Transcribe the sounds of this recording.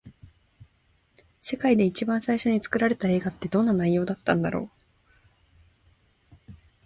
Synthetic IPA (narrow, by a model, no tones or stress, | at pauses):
se̞kaid̪e̞it͡ɕibãɰ̃saiɕo̞ɲ̟it͡sɨ̥kɯ̟ɾaɾe̞t̪ae̞ːɡat̪ːe̞d̪õ̞nːanaijo̞ːd̪at̪ːã̰nd̪aɾo̞̰ː